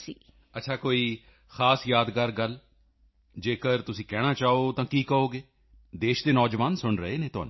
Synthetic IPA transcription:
sḭː | ətːʃʰaːkoːiː | xaːsjaːd̪kaːɾɡəl | d͡ʒeːkəɾt̪ʊsĩːkɛːɽaːt͡ʃaːoːt̪ãːkiːkəoːɡeː | d̪eːʃd̪eːnɔːd͡ʒʋaːnsʊɳɾəeːnẽːt̪ʊɦa̰ːnũː

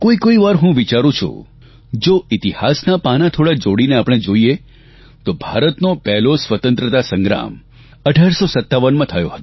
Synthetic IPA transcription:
koikoiʋaɾɦũʋit͡ʃaɾũt͡ʃʰṵ | d͡ʒoit̪ihasnapanat̪ʰoɽad͡ʒoɽineapəɽ̃ed͡ʒoie | t̪obʱa̰ɾət̪nopɛɦlosʋət̪ənt̪ɾət̪asə̃ŋɡɾa̰m | əɖʱaɾsosət̪ːaʋənmãt̪ʰəjo̰ɦət̪õ

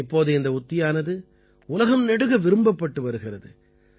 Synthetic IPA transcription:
ɪpːoːðɯɪnd̪ɐʊt̪ːɪjaːnɐðɯ | ʊlɐɣɐmnɛɽɯɣɐʋɪɾɯmbɐpːɐʈːɯʋɐɾɯɣɪrɐðɯ

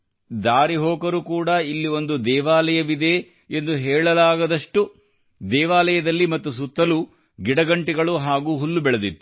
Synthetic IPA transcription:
d̪aːɾiɦoːkɐɾukuːɽɐilːio̞nd̪ud̪ɛːʋaːlɐjɐʋid̪e̞ | end̪uɦɛːɭɐlaːɡɐd̪ɐʂʈu | d̪ɛːʋaːlɐjɐd̪ɐlːimɐt̪ːusut̪ːɐlu | ɡiɽɐɡɐɳʈiɡɐɭuɦaːɡuːɦulːubɛɭɐd̪it̪ːu

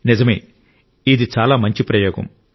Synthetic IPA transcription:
nizɐmḛː | id̪it͡ʃaːlaːmɐɲt͡ʃipɾɐjoːɡɐ̰m

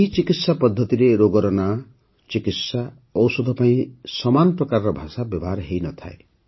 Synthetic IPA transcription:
it͡ʃikit̪sapɔd̪ʱːʌt̪iɾeɾoɡɔɾɔna | t͡ʃikit̪sa | ɔwsod̪ʱɔpaĩsʌmanɔpɾɔkaɾɾɔbʱasabjʌbaɾɦejnʌt̪ʰa̰ḛ

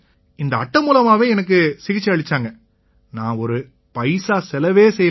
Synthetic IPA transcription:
ɪnd̪ɐɐʈːɐmuːlɐmaːʋẽːɛnɐk̬ːɯsɪɣɪt͡ʃːɐɐɭɪt͡ʃːaːŋɡɐ | nãːɔɾɯ | pɐɪsaːsɛlɐʋeːsɛjː

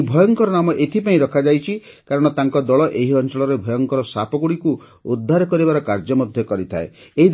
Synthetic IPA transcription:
bʱɔjɔŋkɔɾɔnamɔʔet̪ʰipaĩɾɔkʰad͡ʒajt͡ʃʰikaɾɔɽ̃ɔt̪aŋkɔd̪ɔɭɔʔeɦiɔnt͡ʃɔɭɔɾebʱɔjɔŋkɔɾɔsapɔɡuɽiku | ud̪ʱːaɾɔkɔɾibaɾɔkaɾd͡ʒɔmɔd̪ʱjɔkɔɾit̪ʰa̰eeɦid̪

